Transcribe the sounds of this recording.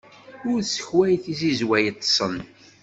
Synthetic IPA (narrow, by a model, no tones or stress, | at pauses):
ʊɾsə̥çwæjθizizwæjət̪ˤːsˤən